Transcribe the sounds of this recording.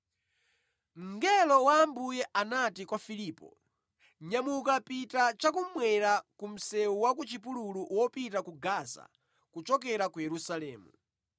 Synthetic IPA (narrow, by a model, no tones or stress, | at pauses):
ŋɡɛlɔwaːmbujɛʔanatikwafiliːpɔ̰ | ɲamukapitat͡ʃak̬umwɛɾakum̩sɛuwakut͡ʃipululuwɔpitakuɡasa̰ | kut͡ʃɔk̬ɛɾakujɛɾusalɛːmṵ